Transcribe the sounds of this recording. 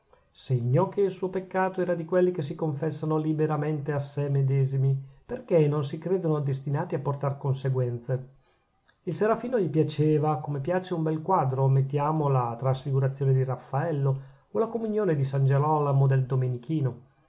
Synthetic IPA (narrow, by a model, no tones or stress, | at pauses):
seɲːɔkeilsuopekːaːt̪oɛːɾad̪ikwelːikes̬ikoɱfɛsːanolibeɾament̪easːemed̪ɛːzimiperkenonsikɾeːd̪onod̪est̪inaːt̪iapːort̪arkonseɡwɛnt̪se | ilseɾafiːnoʎipjat͡ʃeːvakomepjaːt͡ʃeumbɛlkwad̪ɾomet̪ːjaːmolat̪ɾasfiɡuɾat̪sːjoːned̪irafːaɛlːo | olakomunjoːned̪isand͡ʒelɔlamod̪eld̪omenikiːno